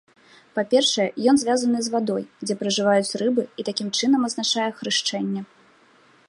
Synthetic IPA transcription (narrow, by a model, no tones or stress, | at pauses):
papʲɛrʂɐjɛjɔnzʲvʲazɐnɨzvad̪ɔjd͡zʲɛpɾɐʐɨvajut͡sʲrɨbɨit̪akʲimt͡ʂɨnɐmɐznat͡ʂajɛxɾɨʂt͡ʂɛnʲːɛ